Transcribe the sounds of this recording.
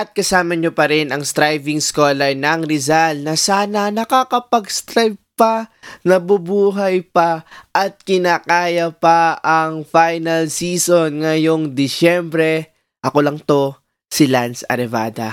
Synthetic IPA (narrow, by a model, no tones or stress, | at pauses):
ʔɐt̪̚kɐsaːmɐɲopɐɾɛnɐŋst̪ɾajvɪŋskoːlɐnɐŋɾɪzalnɐsaːnɐnɐkakɐpɐɡst̪ɾajb̚pɐnɐbʊbuːɦɐjpɐʔɐt̪̚kɪnaːkaːjɐpɐʔɐŋfajnɐlsiːsonŋɐjo̞ŋd̪ɪʃɛmbɾɛ | ʔɐko̞lɐŋt̪o̞ | sɪlansɐ̰ɾɛva̰ːd̪ɐ̰